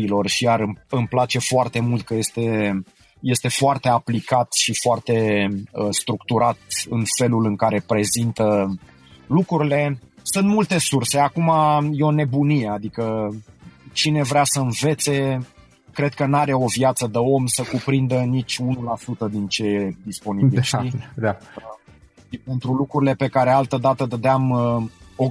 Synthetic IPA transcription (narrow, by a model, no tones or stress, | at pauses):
ilo̞rʃijaɾɨmɨmplat͡ʃe̞foart̪e̞mult̪̚kəje̞st̪e̞ | je̞st̪e̞foart̪e̞aplikat̪ʃifoart̪e̞ | st̪ɾukt̪uɾat̪ɨnfe̞lulɨŋkaɾe̞pɾe̞zint̪ə | lukɾuɾile̞sunt̪mult̪e̞surse̞akumajeo̞ne̞bunijead̪ikə | t͡ʃine̞vɾeasəɨnve̞t̪se̞ | kɾe̞d̪̚kənaɾe̞o̞vjat̪səd̪əo̞msəkupɾind̪ənit͡ʃʲunulasut̪əd̪int͡ʃe̞jed̪ispo̞nibilʃid̪a | ipe̞nt̪ɾulukɾuɾile̞pe̞kaɾealt̪əd̪at̪əd̪əd̪eam | o